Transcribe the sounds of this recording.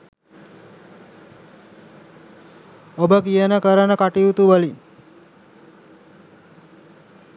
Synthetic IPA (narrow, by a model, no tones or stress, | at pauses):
obəkijənəkəɾənəkaʈiut̪uʋəli